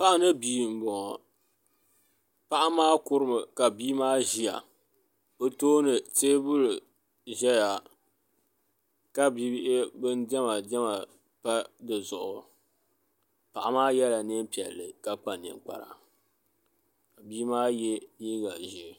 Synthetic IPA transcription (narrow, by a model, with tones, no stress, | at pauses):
pa˦ʔa˦nɨ˦biː˨m̩˨bɔ˨ŋɔ˨ | pa˦ʔa˦maː˦kʊ˦ɾɨ˦mɨ˨ka˨biː˦maː˦ʒi˦a̰˨ | o˦toː˦nɨ˨teː˦bʊ˦lɨ˨ | ʒɛ˦ja˨ | ka˦bi˦ʔɪ˦bɨ˦ndɛ˦ma˨dɛ˦ma˨ | pa˦dɨ˨zʊ˨ʔʊ˨ | pa˨ʔa˦maː˦jɛ˦la˨nɨ˦m˦pi˨ɛ̰˨lːɨ˨ka˦k͡pa˨nɨ̰˨ŋk͡pa̰˨ɾa̰˨ | ka˨biː˦maː˦jɛ˦jiː˦ɡa˨ʒi˦˨